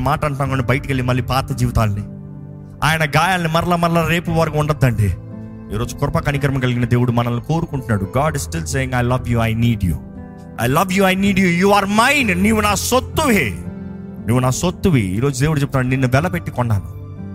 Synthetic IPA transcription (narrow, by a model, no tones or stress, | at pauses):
maːʈɐɳʈaːŋkoɳibɐjɐʈɐkelːimɐlːiːpaːt̪ɐd͡ʒiːʋit̪aːlɐni | a̰ːjɐnɐɡaːjaːlnimɐɾɐlaːmɐɾlaːɾe̞ːpuʋɐɾɐkuuɳɖɐd̪ːɐɳɖḭ | iːɾoːd͡ʒukʊɾɐpɐkɐnik̬ɐɾɐmɐɡɐliɡinɐd̪e̞ːwuɽumɐnɐluko̞ːɾukuɳʈunːaːɽuɡaːɖissʈilseːjiŋɡɐjlɐʋjuːajniːɖjṵː | a̰jlɐʋjuːɐjniːɖjujuːaːɾmajnniːʋunaːsot̪ːuʋi | niːʋunaːsot̪ːuʋḭḭːɾo̞ːd͡ʒud̪e̞ːwɽut͡ʃeb̚t̪ːnaːɳɖininːuʋɛlɐpe̞ʈːikɔɳɖaːnṵ